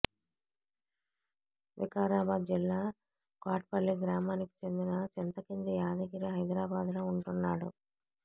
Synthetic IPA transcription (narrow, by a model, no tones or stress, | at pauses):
ʋḭkaːɾaːbaːd̪d͡ʒilːaː | kaːʈ̚pɐɭːiɡɾaːmaːniki̥t͡ʃe̞nd̪inɐt͡ʃint̪ɐkind̪ɐjaːd̪ɐɡiɾiɦɐjd̪ɾaːbaːd̪lo̞ːuɳʈunːaːɽṵ